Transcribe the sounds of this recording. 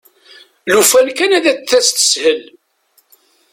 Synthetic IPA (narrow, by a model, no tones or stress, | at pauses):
lufælkænæðæθːæst̪ə̥shəl